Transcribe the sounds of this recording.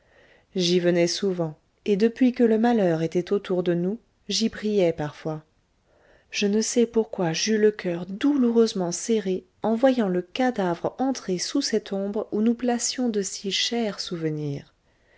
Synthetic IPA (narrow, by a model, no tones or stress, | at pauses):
ʒivənɛsuvɑ̃ | ed̪əpɥikələmalœʁet̪ɛt̪ot̪ʰuʁd̪ənu | ʒibʁijɛpaʁfwa | ʒ̥ənəsɛpuʁkwaʒyləkʲœʁd̪uluʁøzmɑ̃seʁe | ɑ̃vwajɑ̃ləkad̪avʁɑ̃t̪χesusɛt̪ʰɔ̃bʁunuplasjɔ̃d̪əsiʃɛʁsuvəniːʁ